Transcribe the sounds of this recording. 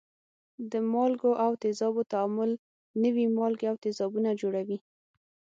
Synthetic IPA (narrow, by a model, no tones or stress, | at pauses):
d̪əmɑlɡoʔawt̪ɪzɑbot̪aːmʊl | nəwimɑlɡeawt̪ɪzɑbunad͡ʒoɽawi